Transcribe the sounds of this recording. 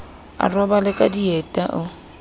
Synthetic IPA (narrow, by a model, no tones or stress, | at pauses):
a̰rwabalɪkʼadiɛtʼaʔʊ